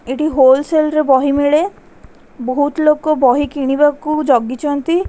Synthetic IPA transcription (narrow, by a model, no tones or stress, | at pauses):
eʈiɦolselɾebɔɦimeɭe | boɦut̪lokobɔɦikiɽ̃ibakud͡ʒɔɡːit͡ʃʰɔnt̪i